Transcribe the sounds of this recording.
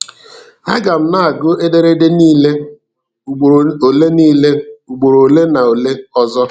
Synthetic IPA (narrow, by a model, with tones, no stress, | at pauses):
a̰˦ɡa˨m̩˦na˦˨a˨ɡʊ˦e˦de˦ɾe˦de˦niː˦le˦ | u˨o˨le˦niː˦le˦u˨ɡ͡bo˨ɾo˨le˦na˨o˨le˦ɔ˦zɔ˦